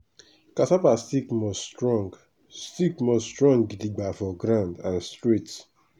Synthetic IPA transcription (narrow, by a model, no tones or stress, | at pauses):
kasapastikmɔsɹɔɡ | stikmɔstɹɔ̃ŋɡɡitiɡ͡bafɔɡɾãndãnstɹet